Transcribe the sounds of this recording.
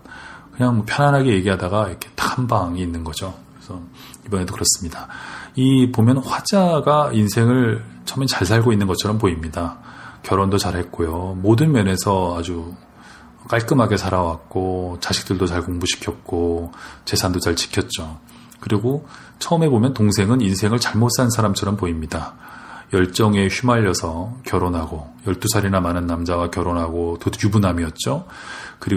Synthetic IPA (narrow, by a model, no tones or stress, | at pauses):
kɯɲaŋmʌpʰjʌnɦanɦaɡeje̞ɡiɦadaɡaiɾʌkʰetḁambaŋiːnːɯnɡʌd͡ʑokesʰʌ | ibʌne̞dokɯɾʌs͈ɯmɲidaipomjʌnɸwad͡ʑaɡainsʰe̞ŋɯɭt͡ɕʰʌmet͡ɕaɭs̬ʰaɭɡoinːɯnɡʌt͡ɕʰʌɾʌmpoimɲidakjʌɾondot͡ɕaɾhe̞t̚k͈ojomodɯnmjʌne̞sʰʌad͡ʑu | k͈aɭk͈ɯmɦaɡe̞sʰaɾawak̚k͈ot͡ɕaɕʰi̥k̚t͈ɯɭdot͡ɕaɭkoŋbuɕʰi̥kʰjʌt̚k͈ot͡ɕe̞sʰandot͡ɕaɭt͡ɕi̥kʰjʌt̚t͡ɕ͈o | kɯɾiɡo | t͡ɕʰʌɯme̞bomjʌntoŋsʰe̞ŋɯninsʰe̞ŋɯɭt͡ɕaɭmots͈ansʰaɾamt͡ɕʰʌɾʌmpoimɲida | jʌɭt͡ɕ͈ʌŋe̞çumaʎːʌsʰʌkjʌɾonɦaɡojʌɭt͈usʰaɾinamanɯnːamd͡ʑawakjʌɾonɦaɡotojubunamiʌt̚t͡ɕ͈okɯɾi